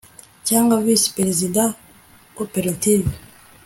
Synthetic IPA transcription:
caːŋɡavisi̥peɾezidã | opeɾativ

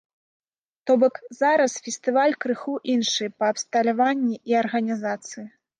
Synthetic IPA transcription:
t̪ɔbɔkzaɾɐsfʲɛsʲt̪ɨvalʲkɾɨxuʔinʂɨpɐːpst̪ɐlʲavanʲːiʔiɐrɣɐnʲizat̪sɨji

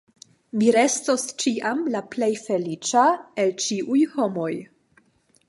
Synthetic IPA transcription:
miɾe̞sto̞st͡ʃiʔamlaple̞jfe̞lit͡ʃae̞lt͡ʃiʔujho̞mo̞j

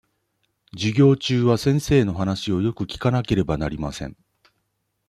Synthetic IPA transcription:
d͡ʑiɡʲo̞ːt͡ɕɨːβasẽ̞ɰ̃se̞ːno̞ɦanaɕio̞jo̞kɯ̟kʲi̥kanake̞ɾe̞banaɾʲimasẽ̞̰ŋ

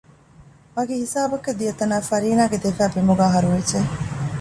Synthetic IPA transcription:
ʋɐɡehisaːbɐkːed̪ijɐt̪ɐnaːfɐɾiːnaːɡed̪efæːbemuɡaːɦɐɾuʋed͡ʒe

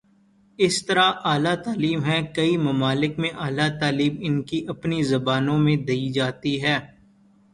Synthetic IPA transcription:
ɪst̪ɐɾaʔaːlat̪aːliːmɦɛkɐimɐmaːlɪkmẽʔaːlat̪aːliːbɪnkiʔɐpnizɐbaːnõmẽd̪ɐid͡ʒaːt̪iɦɛː

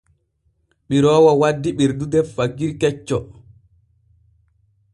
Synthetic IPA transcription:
ɓiɾɔːwawadːiɓiɾdudɛfːaɡiɾkɛt͡ʃːɔ

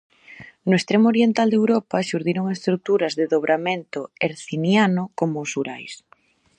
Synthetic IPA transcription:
nʊest̪ɾemoɾjent̪ald̪ewɾɔpɐʃuɾðiɾoŋest̪ɾut̪uɾɐzðeðoβɾʔament̪ʊeɾθinjanʊkomoːsuɾajs

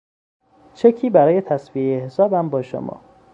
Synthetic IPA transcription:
t͡ʃʰecʰiːbæɾɒːje̞t̪ʰæsviːeehesɒːbæmbɒːʃo̰mɒ̰ː

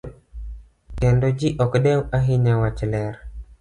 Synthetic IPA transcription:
kɛndod͡ʒiʔɔkɗɛwaɦiɲawat͡ʃlɛɾ

